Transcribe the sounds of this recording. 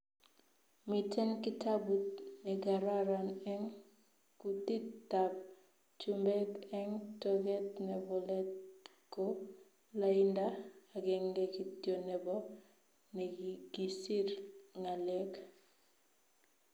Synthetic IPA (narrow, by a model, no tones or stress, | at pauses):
mitɛnkitabutnɛɡaɾaɾanɛŋ | kutitːab̚ | t͡ʃumbɛkɛŋtoɡɛtnɛbɔlɛtko | laindaːɡɛŋɡɛkitjonɛbɔ | nɛɡiɡisiɾŋalɛk